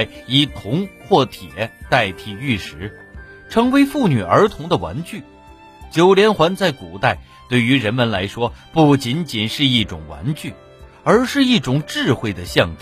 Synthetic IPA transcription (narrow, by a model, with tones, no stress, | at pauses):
ɪi˧˥˩t̪ʰʊ˧˥ŋxwɔ˥˩t̪ʰjɛ˨˩˦t̪a˥˧ɪt̪ʰi˥˩y˥˩ʂɻ̩˧˥ | ʈ͡ʂʰɤ˧˥ŋwe˧˥ɪfu˥˩ny˨˩ə˞˧˥t̪ʰʊ˧˥ŋd̪ə˧wa̰˧˥nt͡ɕy˥˩ | t͡ɕjo˨˩ʊljɛ˧˥nxwa˧˥nt͡sa˥˩ɪku˨˩t̪a˥˩ɪ | t̪we˥˩ɪy˧˥ɻə˧˥nmə˨nla˧˥ɪʂwɔ˥pu˥˩t͡ɕi˧˥nt͡ɕi˨˩nʂɻ̩˥˧i˥˩ʈ͡ʂʊ˨˩ŋwa̰˧˥nt͡ɕy˥˩ | ə˞˧˥ʂɻ̩˥˧i˥˩ʈ͡ʂʊ˨˩ŋʈ͡ʂɻ̩˥˧xwe˥˩ɪd̪ə˩ɕjɑ˥˧ŋʈ͡ʂ